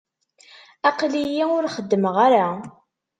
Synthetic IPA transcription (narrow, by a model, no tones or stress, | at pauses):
ɑqlijiʊɾχəd̪ːəməʁaɾa